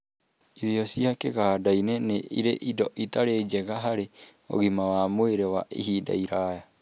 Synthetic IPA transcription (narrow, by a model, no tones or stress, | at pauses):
iðiɔsiakeɣaːdainɛneʔḭɾeʔidɔʔitaɾed͡ʒɛɣaɦaɾe | o̰ɣimawaːmoeɾɛwaʔḭɦida̰iɾaːja